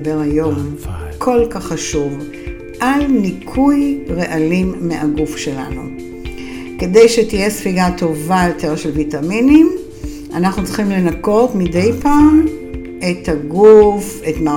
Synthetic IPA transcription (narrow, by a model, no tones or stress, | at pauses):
beʁajo̞mkʰo̞lkaχːaʃuv | ʔalnikʰujʁeʔalimːeʔaɡufʃe̞la̰nu | ke̞dejʃetije̞sfiɡato̞vajo̞tʰe̞ʁʃelvitaminim | anaχnut͡sliχimle̞nako̞tmide̞jpaːm | e̞taɡufetma